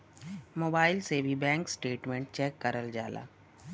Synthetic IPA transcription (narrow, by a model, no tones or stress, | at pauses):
moːbaːɪlsebʱibɛ̃ːŋksʈeːʈmẽɳʈ̚t͡ʃɛːkːəɾəld͡ʒa̰ːlʔa̰ː